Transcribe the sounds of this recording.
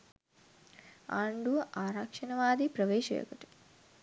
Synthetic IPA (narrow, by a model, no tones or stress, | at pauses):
aːɳɖuʋɐʔaːɾakʂɐnɐʋaːd̪ipɾɐʋeːʃɐjo̰kɐʈi̥